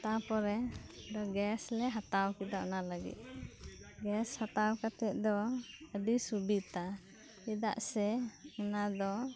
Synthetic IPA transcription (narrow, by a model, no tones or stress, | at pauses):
t̪apɔɾɛdɔɡɛslɛɦat̪awkid̪aʔnaləɡḭt̪̚ˀ | ɡɛshat̪awkat̪ɛt̪̚d̪ɔəɖisubit̪a | id̪a̰ʔsɛənad̪ɔ